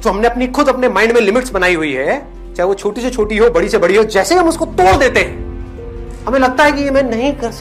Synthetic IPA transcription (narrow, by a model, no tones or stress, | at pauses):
d͡ʒoːɦɐmneɐpnixʊd̪ɐpnemãːɪɳɖmẽlɪmɪʈsbɐnaːiɦuiɦɛː | t͡ʃaːɦɛʋot͡ʃʰoːʈiset͡ʃʰoːʈiɦobɐɽisebɐɽiɦod͡ʒɛːseiɦɐ̃mʊskot̪oːɾd̪eːt̪eɦɛ̃ː | ɦɐmẽlɐɡ̚t̪aɦɛkijemɛ̃ːnɐɦĩkɐɾ